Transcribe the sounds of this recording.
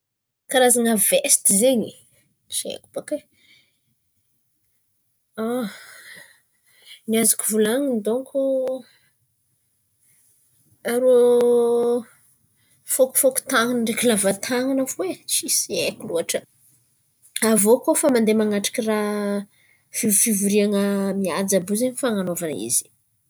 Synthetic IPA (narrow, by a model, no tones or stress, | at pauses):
kaɾazaŋavest̪izeɲi | t͡ʃḛku̥bake | a | niazakuvulaŋind̪oŋko | aɾo | foku̥foku̥t̪aŋinɳɖ͡ʐekilavat̪ʰaŋanafwet͡ʃisiekuluaʈ͡ʂə | avokofamand̪emaŋaʈ͡ʂḁkira | fivfivuɾiaŋəmiad͡zabuzeɲifaŋanovanḭz̥i̥